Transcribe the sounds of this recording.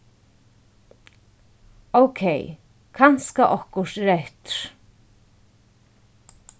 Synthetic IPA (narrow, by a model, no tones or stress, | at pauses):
owkʰej | kʰanskaʔɔhkʊʂt̪ɾɛht̪ɾ̥